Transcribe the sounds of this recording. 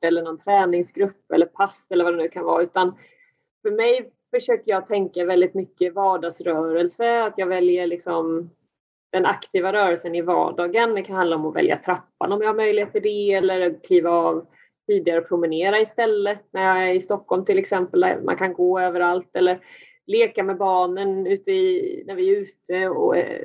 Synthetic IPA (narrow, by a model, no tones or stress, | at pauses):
ɛlːəɳɔnt̪ʰɾɛːnɪŋsɡɾɵpːɛ̰lːəɾpʰasːɛlːəɾvad̪ɛnʉ̟ːkʰanvɑ̰ːʉ̟ːt̪an | fœɾmɛj | fœʂøːkəjɑːɡt̪ʰɛŋkavɛld̪ɪt̪mʏkːəvɑːɖɑːɡsɾœːɾəlsəat̪jɑːɡvɛljəɭɪksɔm | d̪̥ɛnakt̪ʰiːvaɾœːɾɛlsənɪvɑ̰ːɖɑːɡənd̪ɛkʰanhand̪aɔmɔvɛ̰lja̰t̪ʰɾapːa̰nɔmjahaɾmœjlɪheːt̪ɪd̪ɛɛlːəɾkʰliːvaɑːv | t̪ʰiːd̪ɪɡaɾəɔpʰɾʊmɪneːɾaɪst̪ɛlːət̪̚næɾjɑːɡæɾɪst̪ɔkːhɔlmt̪ʰɪlɛksɛmpəlæ̰mʔa̰nkʰanɡoːøːvəɾalt̪ɛlːəɾ | leːkamɛbɑːɳənʉ̟ːt̪əɪnæɾvɪɛɾʉ̟ːt̪əɔ̰æ̰